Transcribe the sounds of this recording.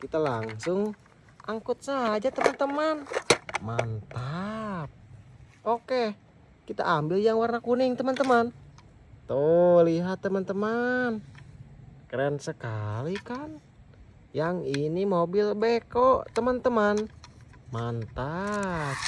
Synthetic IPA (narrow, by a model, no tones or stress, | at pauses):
kit̪alaŋsʊŋ | ʔaŋkut̪̚saɦad͡ʒat̪əmant̪əmanmant̪ap̚ | oke | kit̪a̰ʔambiljaŋwarnakuniŋt̪əmant̪əman | t̪oliɦat̪ːəmant̪əman | kɾənsəkalikan | jaŋinimobilbɛkot̪əmant̪əmanmant̪ap̚